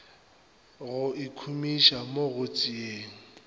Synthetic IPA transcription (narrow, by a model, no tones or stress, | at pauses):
ɣʊʔikʰumiʃamoɣʊt͡sʼieːŋ̩